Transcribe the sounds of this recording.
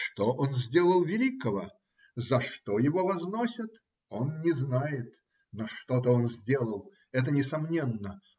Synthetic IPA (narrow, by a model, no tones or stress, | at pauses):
ʂt̪oʔonzʲdʲe̞lˠəlˠvʲɪlʲikəvə | zɐʂt̪ojɪvo̞vɐznosʲət̪ | o̞nnʲɪznajɪt̪ | noʂt̪o̞t̪əo̞nzʲdʲe̞lˠəlˠ | ɛt̪̬ənʲɪsɐmnʲe̞nːə